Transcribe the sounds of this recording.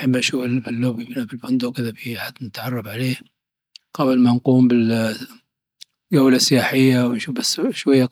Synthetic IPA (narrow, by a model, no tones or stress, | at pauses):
ħɪbːanʃuːfɪlfɪlːobɪmɪnabɪlfʊnd̪ukɪðafiħad̪nɪt̪ʕɑrˤːɑfʕaleː | qɑblmanquːmbɪl | ɡawlasɪjaːħɪjːawnʃuːfbasːʃwajːa